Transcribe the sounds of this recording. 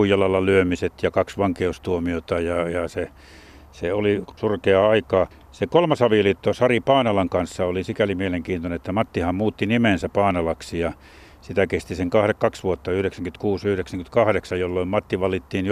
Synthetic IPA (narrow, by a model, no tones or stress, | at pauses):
uijɑlːɑlːɑlyømiset̪jɑkɑksʋɑŋkeust̪uomiot̪ɑjɑjɑse | seolisurkeɑɑikɑː | sekolmɑsɑʋilit̪ːosɑripɑːnɑlɑŋkɑnsːɑolisikælimieleŋkiːnt̪onenet̪ːæmɑt̪ːihɑmmuːt̪ːinimensæpɑːnɑlɑksijɑ | sit̪ækest̪iseŋkɑhrekkɑksʋuot̪ːɑyhɾeksæŋkynt̪kuːsyhɾeksæŋkynt̪kɑhɾeksɑjolːoimmɑt̪ːiʋɑlit̪ːiːnj